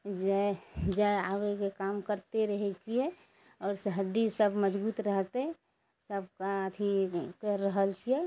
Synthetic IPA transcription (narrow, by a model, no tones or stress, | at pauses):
d͡ʒɛd͡ʒaawekekamkəɾt̪eɾəɦɛt͡ʃʰiɛ | ɔːɾsəɦəd̪isəbməd͡ʒbuːt̪ɾəɦt̪e | səb̚kaət̪ʰikəɾəɦəlt͡ʃʰiɛ